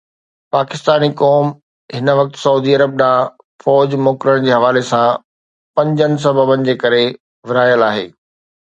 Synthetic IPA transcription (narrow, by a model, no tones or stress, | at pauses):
paːkɪst̪aːnikɔːm | ɦɪnəʋɐk̚t̪sɐuːd̪iɐɾəb̚ɗãː | fɔːd͡ʑmoːkɾəɽ̃d͡ʑeːɦɐʋaːlesã | pɐ̃ɲd͡ʑənɪ̆s̬ɐbəbənɪ̆d͡ʑeːkɐɾe | ʋɪɾaːjəlaːɦḛː